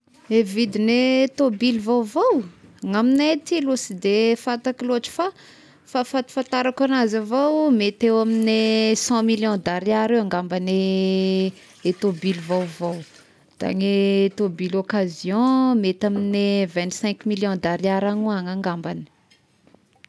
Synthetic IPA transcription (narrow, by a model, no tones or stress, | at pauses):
evid̪inet̪obilvawvowaŋaminat̪ilosid̪efat̪akiloaʈ͡ʂi̥fa | fafat̪i̥fãnt̪aɾakanazavowmet̪ewaminesɑ̃miljɔ̃d̪aɾiaɾewãŋɡambane | t̪obilvawvaw | d̪̥a̰ŋet̪obilokazjɔ̃met̪aminevɛ̃nt̪sɛ̃ŋkmiljɔ̃d̪aɾiaɾaŋuaŋaŋɡambani̥